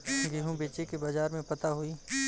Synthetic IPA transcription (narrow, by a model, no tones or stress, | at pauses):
ɡiɦũbeːt͡ʃekebaːd͡ʒaːɾmẽpɐt̪aɦoiː